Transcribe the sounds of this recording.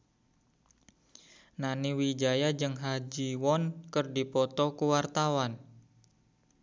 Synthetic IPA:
naniwid͡ʒajad͡ʒɨŋɦad͡ʒiwɔnkərdipɔt̪ɔkuwart̪awan

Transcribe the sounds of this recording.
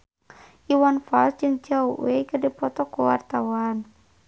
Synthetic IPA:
ʔiwanfa̰lsd͡ʒɨŋt͡ʃauwekədipɔt̪ɔkuwa̰rt̪awan

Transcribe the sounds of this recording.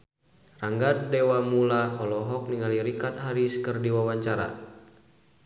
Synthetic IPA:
raŋɡat̪̚dɛwamulaɔlɔɦɔk̚niŋaliɾikat̪ɦaɾiskərdiwawaɲt͡ʃaɾa̰

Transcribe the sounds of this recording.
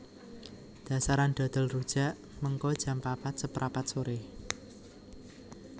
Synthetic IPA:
d̪̥ä̤saɾand̪̥ɔ̤d̪̥ɔ̤lrud̥ʒ̥a̤ʔ | məŋkɔd̥ʒ̥a̤mpapat̪̚səpɾʔapat̪̚soɾɪh

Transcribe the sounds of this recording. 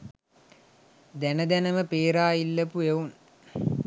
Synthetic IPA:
d̪ænəd̪ænəməpeːɾaːilːəpueun

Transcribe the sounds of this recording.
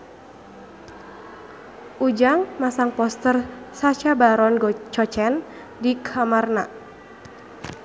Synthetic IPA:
ʔud͡ʒaŋmasaŋpɔst̪ər | sat͡ʃabaɾɔnɡɔt͡ʃɔt͡ʃɛn | dikʰamarna

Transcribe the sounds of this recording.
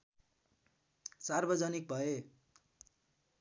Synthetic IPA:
sarbʌd͡zʌnik̚bʱʌe

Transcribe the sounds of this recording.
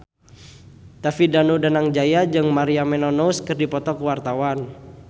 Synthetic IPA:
t̪afidanudanaŋd͡ʒajad͡ʒɨŋmaɾiamɛnɔnouskɨrdipɔt̪ɔkuwart̪awan

